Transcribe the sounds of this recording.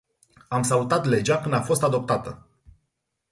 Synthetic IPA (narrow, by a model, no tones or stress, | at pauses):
amsalut̪at̪le̞d͡ʒakɨnd̪afo̞st̪ad̪o̞p̚t̪at̪ə